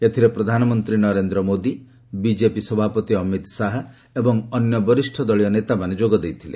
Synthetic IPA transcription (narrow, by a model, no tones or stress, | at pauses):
et̪ʰiɾepɾɔd̪ʱanɔmɔnt̪ɾinɔɾend̪ɾɔmod̪i | bid͡ʒepisɔbʱapɔt̪iɔmit̪saɦɔ | ebɔŋɔnjɔbɔɾisʈʰɔd̪ɔɭijɔnet̪amaned͡ʒoɡɔd̪ejt̪ʰilḛ